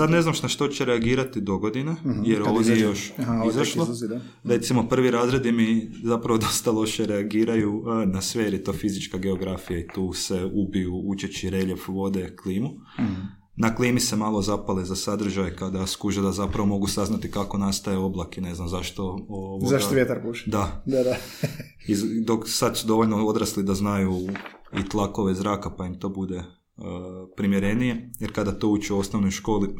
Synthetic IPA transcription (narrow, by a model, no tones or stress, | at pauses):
sad̪ne̞znamʃnaʃt̪o̞t͡ɕeɾeaɡiːɾat̪id̪o̞ɡo̞d̪inajeɾoʋd̪jejejo̞ʃizaʃlo | ɾe̞t̪simo̞pr̩ʋiɾaːzɾe̞d̪imizapɾaʋod̪o̞st̪alˠo̞ʃeɾeaɡiːɾajuənasʋejeɾjet̪o̞ːfizit͡ʃkaɡe̞oɡɾafijait̪uːseubijuut͡ʃet͡ʃiɾeʎe̞fʋo̞d̪e̞kliːmu | naklˠiːmise̞maːlˠo̞zapalezasad̪r̩ʒajkad̪askuʒed̪azapɾaʋo̞mo̞ɡusaznat̪ikako̞nast̪ajeo̞blˠakene̞znamzaʃt̪ooʋozaʃɡt̪oʋjet̪aɾpuʃɛ̥d̪ad̪ad̪a | izd̪o̞ksad̪sud̪o̞ʋo̞ʎnoo̞d̪ɾaslˠid̪aznaju | it̪lˠako̞ʋezɾaːkapaimt̪o̞ːbud̪e̞ | pɾimjeɾe̞nije̞jeɾkad̪at̪o̞ut͡ʃio̞snoʋnojʃko̞ːli